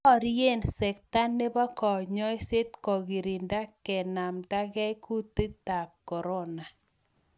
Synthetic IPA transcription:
ɔ˦˨ɾje˦˨nsɛ˨k̚ta˦ne˦ba˦kɔ˨ɲɔ˦ɪ˦se˦t̪̚kɔ˨ɡi˨ɾi˨nda˦kɛ˨na˨mta˦ɡɛ˦jku˦ti˦ta˨k̚kɔ˨ɾɔ˦na˨

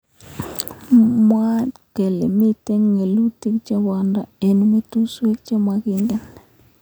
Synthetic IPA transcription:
mwa˦ke˨lḛ˨mi˦te˦ŋŋe˨lu˦ti˦kt͡ʃa˦wa˨nda˨e˨nu˦me˦tu˦swe˦k̚t͡ʃe˦ma˨ki˦ŋɡɛ˨˦n

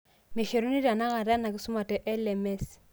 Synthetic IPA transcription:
me˨ʃe˨ɾo˦ni˦ɾa˨na˦ka˨ɾa˦na˨kɪ˦su˦ma˨tɛ˨ʔɛ˦lɛ˨mɛ˦s

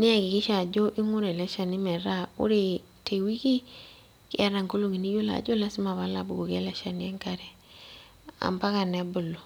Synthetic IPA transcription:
nɪ˦a˨kɪ˨kɪ˦ʃa˨d͡ʒo˦ʔɪ˦ŋʊ˦ɾɛ˨lɛ˦ʃa˨nɪ˦mɛ˨ɾa˦ʊ̰˦ɾe˨ | tʰe˨wi˦ki˦ | kɪ̰˦a˦ɾa˨ŋko˦lo˨ŋi˨ni˦jo˦la̰˨d͡ʒo˦la˦sɪ˦ma˨βa˦la˨bu˨ɡo˨kɛ˦lɛ˦ʃa˨n˨ɛ˦ŋka˦ɾɛ˨ | a̰˨mba˦ka˨nɛ˨˦bʊ˨lo˨

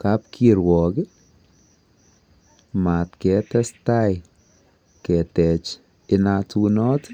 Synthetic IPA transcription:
ka˦p̚ke˨ɾwɔ˨kɪ˦ | ma˨tkɛ˨˦tɛ˦staj | kɛ˨tɛ˨t͡ʃ | ɪnatu˦nɔ˦t

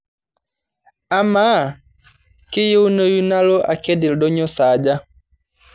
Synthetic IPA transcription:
a˦maː˦˨ | kɪ˦je˦u˦no˦ju˦na˦lɔ˦ʔa̰˨kɛ˦di˨ldɔ˦ɲɔ˦sa˨d͡ʒa˦

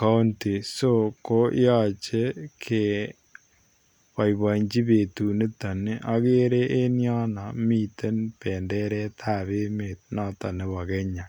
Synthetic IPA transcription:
ka˦nti˨so˦ko̰˦ja˦t͡ʃe˦kʰe˨ | pa˨iβa˨ɲd͡ʒi˦βe˨tu˨ne˦ta˨ne˦ʔa˦ke˦ɾe˦ʔe˦nja˦na˨mi˦˨te˦npɛ˨ndɛ˦ɾɛ˦tʰa˦˨βe˦me˨t̪̚na˦ta˨ne˦βa˨kɛ˦ɲa˨

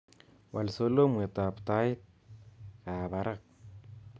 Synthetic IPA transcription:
wʔa˨lso˦lo˦me˨t̪a˨pt̪a˦ɪ˦t̪̚ | ka˨ba˨ɾa˦k̚

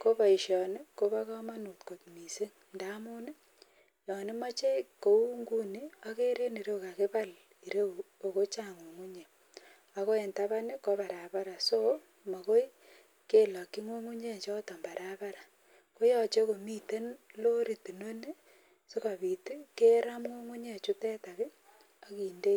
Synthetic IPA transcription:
ko˦pa˨i˨ʃjɔ˨ne˦ko˦βa˦kɔ˦ma˦nu˨tko˨tmi˨se˦ŋ | nda˦mu˦ne˦ | jɔ˨nɪ˦ma˦t͡ʃe˦ko˨u˦ŋɡu˦ni˦a˦ke˦ɾe˦ni˨ɾe˦wka˨kɪ˦pa˦l | i˨ɾe˦u˨o˨ko˦t͡ʃa˦˨ŋu˨ŋu˦ɲe˨ | a˨ko˦e˨nta˦βa˦ne˦ko˦pa˨ɾa˨pa˦ɾa˨so˦ | mo˨ko˦i˦ | ke˦la˨kːi˦ŋu˦ŋu˦ɲe˦˨t͡ʃɔ˦to˨mba˨ɾʔa˨pa˦ɾa˨ | ko˦jɔ˦t͡ʃe˦ko˨mi˦te˦nlo˦ɾi˨ti˨no˦ne˦ | so˦ka˨βi˨ti˦ke˦ɾa˦mŋo˦ŋu˦ɲe˦˨t͡ʃu˦tɛ˦ta˨βi˦ | o˦ki˨nde˦

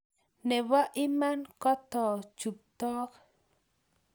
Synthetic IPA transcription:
nɛ˨wa˦ʔi˦ma˦nkɔ˦t̪ɔ˨t͡ʃu˨p̚t̪ɔ˦k

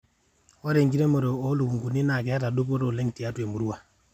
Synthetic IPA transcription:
wa˦ɾe˨ŋɡi˦ɾe˦mɔ˨ɾo˨o˦lu˨u˨ŋɡu˨ni˦na˨ke˨a˦ta˨do˦p̬o˦ɾo˨le˦ŋti˨a˦tu˦e˨mu˨ɾu˦wa˨

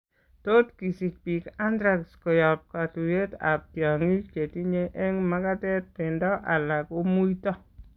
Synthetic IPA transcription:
to˦tki˨si˨k̚pi˨ka˦ndɾa˨ksko˨jɔ˨p̚ka˨tu˨je˦ta̰˨p̚tjɔ˨ŋi˦ke˨ti˦ɲe˦ʔɛ˦ŋma˦ka˦tɛ˦t̚pɪ˨ndɔ˦ʔa˨la˨ko˦mu˦itɔ˦

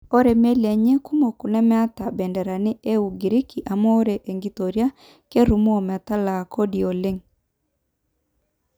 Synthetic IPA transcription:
o˦ɾe˨me˦le˨ɲe˦ku˦mo˨ku˨nɛ˦mɛ˦a˦ta˨bɛ˨ndɛ˨ɾa˨ne˦e˦u˨ɡi˨ɾi˦ki˨ʔa˨mo˦ɾe˨ʔe˨ŋɡi˨to˨ɾja˦ | ke˦ɾu˨m˦o˨mɛ˨ta˦la˨ko˦di˨o˨le˦ŋ

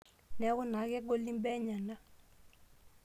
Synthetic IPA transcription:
nɛ˨˦kʊ˦na˨˦kɛ˦ɡo˦li˦mbɛ˦ɲa˨na˦

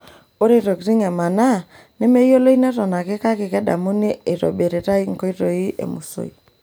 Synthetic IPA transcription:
o˦ɾe˦ɾo˨ɡɾi˦ŋɛ˨ma˨na˦˨ | nɛ˦me˦jo˦lo˦i˦nɛ˦ɾɔ˨na˨ke˦ka˦kɪ˨kɛ˦ɗa̰˨mu˦ni˦e˨ɾo̰˨be˨ɾe˨ɾa˦i˦ŋ̩˨ko˦i˦ɾo˨i˦ʔḛ˨mṵ˨so̰˦i˨

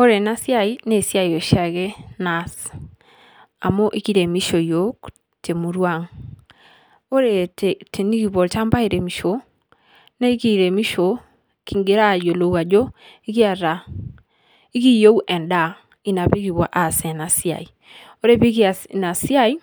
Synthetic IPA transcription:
o˦ɾe˨na˦sja˦˨i˦ne˦˨sja˦˨jo˨ʃa˨ke˦na˨s | a̰˨mo˦ʔi˦ki˦ɾe˨mi˦ʃo˨jo˦k | te˨mu˨ɾwa˦ŋ | o˦ɾe˨tʰe˨ni˦ki˨βɔ˨lta˦mba˦i˨ɾe˨mi˨ʃo˨ | ne˦i˦ki˨ɾe˨mi˦ʃo˨ | ki˨ŋɡe˦ɾa˦˨jo˨lo˨wa˨d͡ʒo˦i˦ki˦a˨ɾa˨ | i˦ki˦jo˦wʔɛ˨nda˦˨ | i˦na˨pi˦ki˨βwa̰˨ʔa˨sɛ˨na˨sja̰˨i˨ | o˦ɾe˦˨pi˦ki˦a˨na˨sja˦i˦

